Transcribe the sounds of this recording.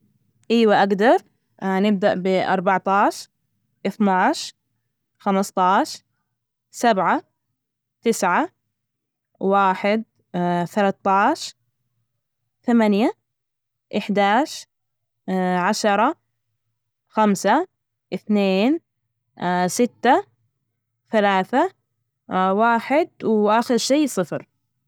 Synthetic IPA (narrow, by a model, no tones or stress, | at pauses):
ʔiːwaʔaɡd̪ɑɾˤ | nɪb̚d̪aʔbɪʔɑɾˤbɑʕt̪ˤɑːʃ | ʔɪθnaːʃ | xamɑst̪ˤɑːʃ | sabʕa | t̪ɪsʕa | waːħɪd̪̚ | θalat̪ːɑːʃ | θamanja | ʔɪħd̪aːʃ | ʕaʃɑɾˤɑ | xamsa | ʔɪθneːn | sɪt̪ːa | θalaːθa | waːħɪd̪̚wʔaxɪɾʃejːsˤɨfɾ